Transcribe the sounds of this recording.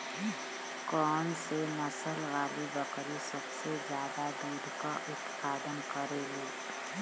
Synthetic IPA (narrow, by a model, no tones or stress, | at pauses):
kɔːnsenɐsəlʋaːlibɐkɾisɐbsezjaːd̪ad̪uːɾkaʔʊt̪paːd̪ənkəɾeɡeː